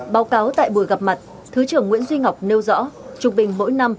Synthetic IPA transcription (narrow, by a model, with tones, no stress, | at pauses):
ɓaː˨˦wkaː˨˦wt̪a̰ː˧˨jɓu˧˩əjɣa˨˩p̚ma˨˩t̚ | t̪ʰɨ˨˦t͡ɕɨ˧˩əŋːw̰i˧˥ənzwi˧ŋha˨˩wk͡p̚ne˧wzɔ̰˧˥t͡ɕʊ˨˩ŋ͡m̚ɓï˨˩ŋ̟mo̰˧˥jna˧m